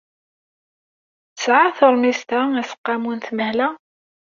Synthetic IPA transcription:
sʕaθəɾˤmist̪ææsə̥qːɑmunθməhlæ

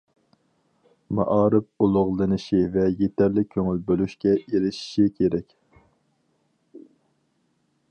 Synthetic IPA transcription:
mɑ̰ʔɑːɾɨp̚ulˠʊʁlˠɨnɨʃivɛjet̪ʰæɾlɪkʲʰøŋylbølyʃkʲɛʔeɾɪʃi̥ʃikʲʰeɾɛkʲ

